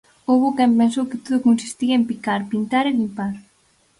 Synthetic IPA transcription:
oβokɛmpẽns̬owkɪt̪oðokonsi̥st̪iɐempikaɾpint̪aɾelimpaɾ

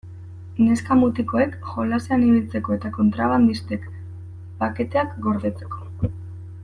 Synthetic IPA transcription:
ne̞skamut̪iko̞e̞kʝo̞laseaniβilt͡se̞ko̞e̞t̪ako̞nt̪ɾaβand̪ist̪ek | pake̞t̪e̞akɡo̞ɾðe̞t͡se̞̥ko̞̥

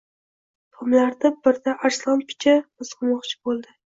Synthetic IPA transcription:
t̪ʰomlaɾd̪ɪbɪɾd̪aʔaɾslˠɑnpʰɪ̥t͡ʃʰamɪsqʰʊmɒqt͡ʃʰɪ̥bolˠd̪ɪ

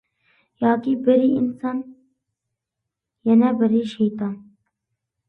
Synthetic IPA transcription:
jɑːkibəɾiinsɑːn | jɛnɛbəɾiːʃejt̪ɑːn

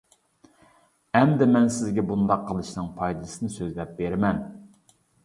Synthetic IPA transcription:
ɛmd̪ɪmɛnsɪzɡʲɛbund̪ɑqʰːəlˠɨʃnɨŋpʰɑjd̪ɨsɨnɨsøzlɛp̚beɾɪmɛn

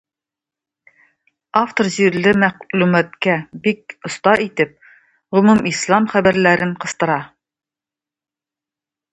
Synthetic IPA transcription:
aft̪orʑiɾlɘmæʁlʉmæt̪kæbik̚ŏst̪ɑʔit̪ɘp̚ | ʁɵmʉmislˠɑmχæbæɾlæɾɘɴqɤ̆st̪ɤ̆ɾɑ

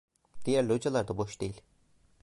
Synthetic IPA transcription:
d̪̥ijæɾlʲiod͡ʒalˠaɾd̪aboʃd̪̥ejilʲ

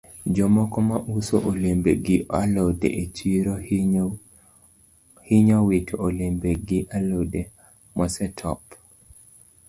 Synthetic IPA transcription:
d͡ʒɔmɔkɔmaʔusoʔolembeɡɪalɔdḛʔet͡ʃiɾo | hiɲawetʰoolembeɡɪʔalode | mɔsɛtʰɔ̰p

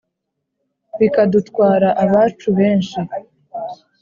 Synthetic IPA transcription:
βikadutkwaːɾaʔaβaːt͡ʃuβe̞ːnʃi

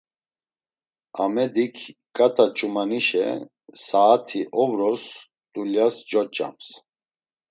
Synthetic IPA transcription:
amɛd̪ikʰkʼat̪ʰat͡ʃʼumaniʃɛ̰ | saːt̪ʰiʔɔvɾɔs | d̪ʼuljasd͡ʒɔt͡ʃʼa̰ms

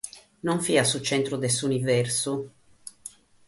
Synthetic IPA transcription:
nɔɱfiasut͡ʃɛnt̪ɾud̪esunivɛrsu

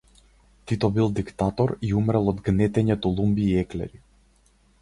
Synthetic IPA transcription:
t̪it̪ɔbilˠd̪ikt̪at̪ɔɾiumɾɛlˠɔd̪ɡnɛt̪ɛɲɛt̪ɔlˠumbiːɛklɛ̰ɾi

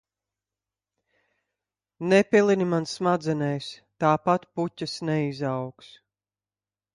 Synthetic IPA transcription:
nɛpʲilˠinimansmad̪zɛnɛjst̪aːpat̪pucʲːasnɛizawks

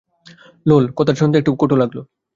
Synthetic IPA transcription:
lolkot̪aɾʃʰont̪eekʈukoʈolaɡlo

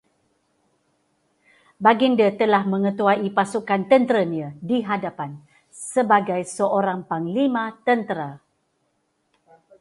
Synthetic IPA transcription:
baɡindət̪əlahmə̃ŋə̃t̪uaipasukant̪ənt̪əɾəniədiɦadapan | səbaɡajsəʔoɾaŋpaŋlimãt̪ənt̪əɾa

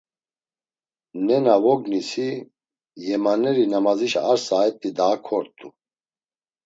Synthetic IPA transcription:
nɛnavɔɡnisi | jɛmanɛɾinamaziʃaɾsaɛt̪ʼid̪aːkʰɔɾt̪ʼu

